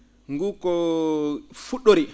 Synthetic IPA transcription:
ŋɡukɔ | fuɗoɾi

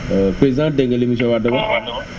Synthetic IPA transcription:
pɾeziãdɛ̃ŋɡɛlẽmĩs̬ɔbadɔbad

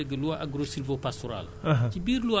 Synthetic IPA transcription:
eɡəluaʔaɡɾosilvopastɔɾa̰laɦtibiːɾluwa

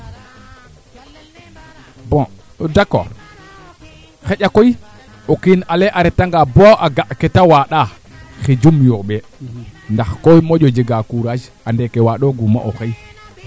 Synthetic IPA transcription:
bɔ̃ | dakːo̰ɾ | xeɟakoj | okinaleʔaɾɛtaŋɡaboʔaɡaʔketawaɗa | xed͡ʒumjoɓɛ | ndaxkojmoɟod͡ʒiɡakuɾad͡ʒ | andekewaɗoɡuma̰ʔoxej

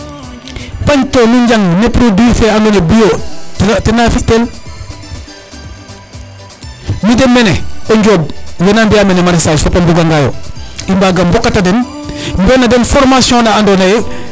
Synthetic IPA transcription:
paɲtomiɲd͡ʒaŋnepɾudiːfɛandɔnebijo | tɛnafitɛn | midɛmːɛnɛɔɲɟɔːb̚jɛnambijamɛnɛmaɾisad͡ʒfapambuɡaŋɡajo̰imbaːɡambɔkːatadɛn | mbɔnadɛnfɔɾmasiɔ̃naandɔnɐjɛ

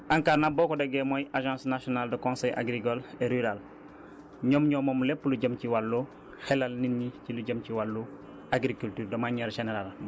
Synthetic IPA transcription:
ʔaŋkaːɾnabokodeɡɛːmojaʒãsnasionaldɔkõnseja̰ɡɾikoleɾyɾal | ɲomɲɔmomlepːluɟəmciwalːu | xelalninːiciluɟəmciwalːu | aɡɾikultyːɾdomaɲɛɾʒeneɾal

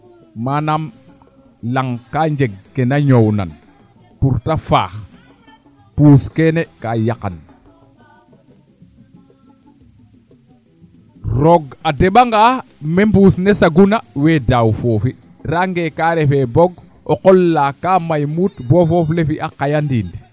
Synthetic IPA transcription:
manam | laŋkaɲd͡ʒeɡ̚ːenaɲowna̰n | puɾtafa̰ːx | puːskenekajakan | ɾoɡadeɓaŋɡaːmembusnesaɡunaweːdawfofi | raŋɡekaɾefeboɡ | oqolːakaːmajmuːtbofoflefiʔakajandiːndi

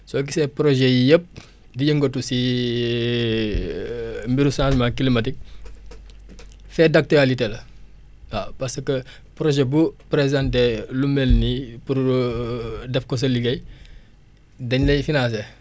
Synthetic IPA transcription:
sɔkisɛpɾoʒɛjijəp̚ | diɟəŋɡotːusi | mbiɾusãːsmakilimatik̚ | fɛdak̚tualitelɐ | apasəkə | pɾoʒɛbupɾezãntelumɛlnipuɾ | dɛfkɔs̬ɐliɡɐj | dɐɲlɐfinas̬ɛ

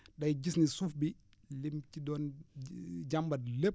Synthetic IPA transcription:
ɗɐjɟisnisufbi | limcidɔn | d͡ʒambɐdlep̚

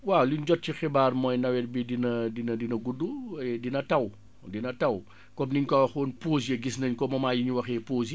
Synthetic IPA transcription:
waliɲɟɔt̚cixibaːrmɔːjnɐwɛtbidinɐdinɐdinɐɡudːudinɐtɐw | dinɐtɐw | kɔmniɲkɔwxoːnpoːsjɐɡisnɐɲkɔmɐmaːjiɲuwɐxɛpoːzi

